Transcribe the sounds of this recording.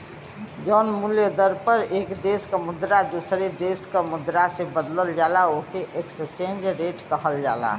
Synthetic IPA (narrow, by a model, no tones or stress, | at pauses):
d͡ʒɔːnmʊljəd̪əɾpəɾeːkd̪eːskamʊd̪ɾad̪usɾed̪eːskamʊd̪ɾasebəd̪ləld͡ʒaːlaoːkeʔekst͡ʃẽːnd͡ʒɾeːʈkəɦəld͡ʒa̰ːla̰